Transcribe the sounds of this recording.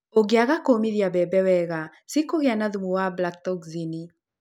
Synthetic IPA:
oɡeaɣakomiðjaβɛbɛwɛɣa | sikoɣeanaðumuwablak̚tɔkzini

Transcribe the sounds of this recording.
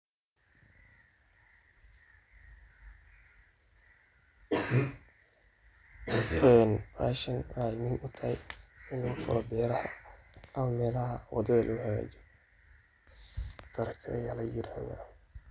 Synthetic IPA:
ʔɛːnfaːʃɐnaːɪmiːnʔʊt̪ʰɐhɛjɪnlɔɣʊfɐ̰lɔbɛːɾɐħɔɐmɐmɛːlɐɦɐwɑ̰d̪ɐðɐlʔɔːħaɣa̰ːd͡ʒɛ | d̪̥ɐɾɐk̚t̪ʰɛ̰ːjaːlɐjɪɾaːhða̰ː

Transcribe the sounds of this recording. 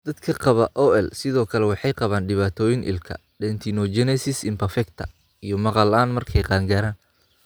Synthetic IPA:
d̪̥ɐd̪kʰɐqɑβɐʔɔɛlsɪðɔːkʰɐlɛwɑħɑjqɑβaːnɖɪβaːt̪ʰɔːjɪnʔɪ̰lkʰɐ̰ | ɖɛnt̪ʰinɔd͡ʒɛnɛsɪsɪmpɐrfɛkt̪ʰɐ | ijɞmɑqɑlaːnmɐrkʰɛjqɑːŋɡaːɾaːn

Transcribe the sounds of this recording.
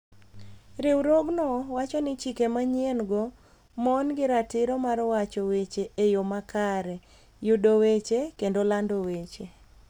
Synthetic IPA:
ɾɪwɾoɡnɔwat͡ʃɔnɪt͡ʃikemaɲenɡɔ | mɔnɡɪɾatɪɾɔmarwat͡ʃɔwet͡ʃeʔejomakʰaɾɛ | judowet͡ʃekendolandowet͡ʃe

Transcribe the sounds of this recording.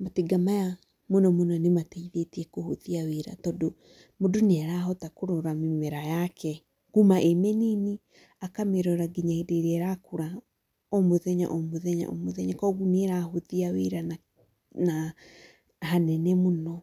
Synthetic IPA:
mateɡamaja | monɔmonɔnemateiðetiɛkohoðiaweɾa̰tɔːdo | modoneaɾaɦɔtakoɾɔɾamimɛɾajakʰɛ | ɡumaʔemɛneni | akameɾɔɾaɡiɲaedeɾɛɾakoɾa | ɔmoðɛɲa̰ʔɔmoðɛɲa̰ʔɔ̰moðɛɲakɔɣuneɾaɦoðiaweɾana | na | ɦanɛnɛmonɔ

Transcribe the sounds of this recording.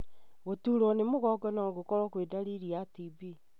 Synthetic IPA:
ɣotuɾɔnemoɣɔɡɔnaɔɣokɔɾɔkwedaɾiɾiatibi

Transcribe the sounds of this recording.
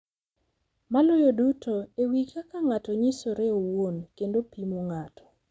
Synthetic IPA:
malʊjodutoewikakaŋatɔɲisoɾeowonkendopimoŋatʰɔ̥

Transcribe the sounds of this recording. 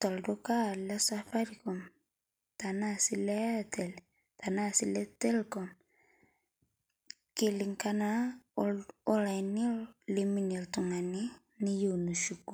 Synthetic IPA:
taldokalɛsafaɾikɔm | tanasilɛtɛl | tanasilɛtɛlkɔm | kiliŋkana | olanilliminiltuŋani | nijonuʃuku

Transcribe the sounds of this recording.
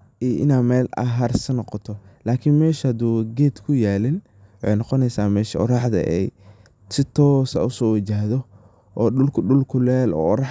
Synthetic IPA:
iʔɪ̰naːmɛːlɐ̰ɦɐrsɐnɔqɔt̪ʰɔlaːkʰɪnmɛːʃɐhɐd̪uːɡeːd̪kʰʊjaːlɪn | wɑħejnɔqɔnɛjsaːmɛːʃɐɔ̰ɾɑħd̪ɐ̰ʔɛ̰j | sɪt̪ʰɔːsɐ̰ʊsɔːwɪt͡ʃaːɦðɔ | ʔɔːɗʊlkʰʊɗʊlkʰʊlɛːlɔ̰ːɾɑ

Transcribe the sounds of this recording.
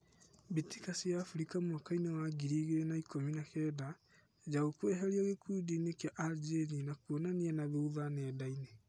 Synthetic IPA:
biti̥kasiaːfuɾikamwakainewaɡiɾiɣeɾenaikominakɛːda | ed͡ʑaɣokwɛɦaɾiaɣekudinekaʔad͡ʒeninakuonanianaβeuðanɛːdaine

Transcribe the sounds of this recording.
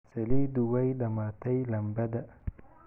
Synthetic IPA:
sɐlid̪uwɐjdɐmaːt̪ɐjlɐmbɐd̪ɐ

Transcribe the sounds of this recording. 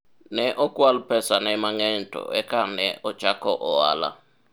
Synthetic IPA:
nɛʔokʼuwalupʰɛsanɛmaŋɛntʼɔ̰ɛkʼanɛʔɔ̥t͡ʃakʰɔʔɔwa̰ːla̰

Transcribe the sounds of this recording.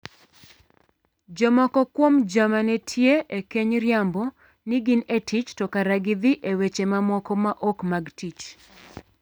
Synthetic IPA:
d͡ʒɔmɔkɔkwomd͡ʒamanetʰjeekeɲɾjambɔ | niɡɪnetit͡ʃtɔkaɾaɡɪd̪iʔewet͡ʃemamɔkɔmaʔɔkmaɡtit͡ʃ

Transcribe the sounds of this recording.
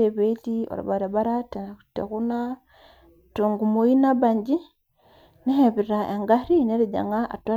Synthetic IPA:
eβetio̰ɾa̰βaɾaβaɾatetḛkuna | tuŋɡumoinabaɲɟi | neheβiɾaʔeŋɡaɾineɾiɟa̰ŋaʔa̰twa

